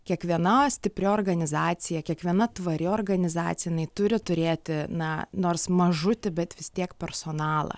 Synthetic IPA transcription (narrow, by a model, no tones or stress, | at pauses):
kʲiɛkʋʲiɛnɐsʲt̪ʲɪpʲɾʲoorɡɐnʲɪzɑːt̪sʲɪjɛkʲiɛkʋʲiɛnɐt̪ʋɐɾʲɪoːrɡɐnʲɪzɑːt̪sʲjɛjɪnɐɪt̪ʊɾʲɪt̪ʊɾʲeːt̪ʲɪnɐnoːrsmɐʒʊt̪ʲɪbʲɛt̪ʋʲɪst̪ʲiɛkpʲɛrsoːnɑːlˠɐ̰